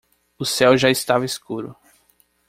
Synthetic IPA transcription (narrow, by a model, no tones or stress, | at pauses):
ʊsɛwʒaɪst̪avɐeskuɾʊ̰